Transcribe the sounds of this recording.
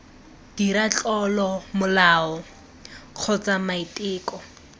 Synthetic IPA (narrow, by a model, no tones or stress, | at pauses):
d̥iɾat͡ɬɔlɔmʊlaːɔ | q͡χʰɔt͡samaitʼɪːkʼɔ